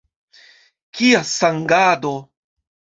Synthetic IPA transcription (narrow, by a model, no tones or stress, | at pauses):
kʰiasaŋɡado